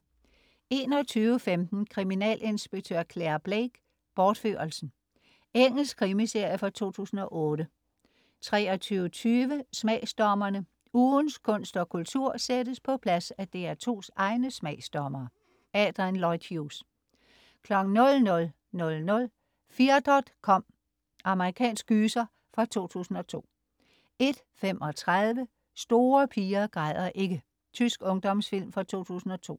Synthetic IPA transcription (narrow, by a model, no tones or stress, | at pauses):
e̝ːnɒt͡sʰyːʊəfemd̥n̩kʰʁiminɛ̰ːlʔe̝nsb̥eɡ̥̚t͡sʰøɐ̰kʰleɐb̥leɡ̥ | b̥ɒːd̥fø̰ːɐɐlsn̩ | eŋ̰l̩skʰʁimise̝ɐ̰jəfɑ̈t͡sʰo̝̰ːt͡sʰṵːsn̩ɒ̽ʔɔ̽ːɾə | t͡sʰʁɛːɒt͡sʰyːʊət͡sʰyːʋəsmɛɪsd̥ɒmɐnə | uːnskʰɔ̽n̰sd̥ɒ̽kʰult͡sʰuɐ̰sedəspʰɒ̽pʰlæsæd̥e̝æɐt͡sʰo̝̰ːsɑ̈ɪnəsmɛɪsd̥ɒmɐː | ɛːd̥ʁinlɒɪd̥ʰjus | kʰlɒ̽ɡ̥n̩ːɔ̽lnɔ̽l | nɔ̽lnɔ̽l | fiːɐd̥ɒd̥kʰɒ̽m̰ | ɑ̈məʁikʰɛ̰ːnsɡ̥yːsɐ | fʁɑ̈t͡sʰo̝̰ːt͡sʰṵːsn̩ɒ̽t͡sʰo̝̰ː | e̝d̥ | fem̰ʔɒ̽t͡sʰʁaðˠʋə | sd̥o̝ːɐpʰiːɐɡ̥ʁɑðˠɐʔe̝ɡ̥ə | t͡sʰysɡ̥ɔ̽ŋd̥ɒmsfil̰mfʁɑ̈t͡sʰo̝̰ːt͡sʰṵːsn̩ɒ̽t͡sʰo̝̰ː